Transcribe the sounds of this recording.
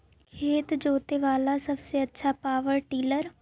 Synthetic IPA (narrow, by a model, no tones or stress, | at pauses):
kʰeːt̪d͡ʒoːt̪eːʋaːlasəbseːətːʃʰaːpaːʋəɾʈiːləɾ